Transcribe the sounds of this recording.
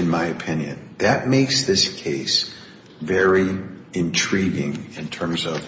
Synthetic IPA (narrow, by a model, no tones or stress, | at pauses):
ɨ̃nmaɪɨpʰɪ̃njɨ̰̃nðɨt̚meɪksðɪskʰeɪs | vɛɹiɨ̃ntʰɹ̥iɡɪ̰̃ŋɨ̃ntʰɜ̃˞mzʌv̥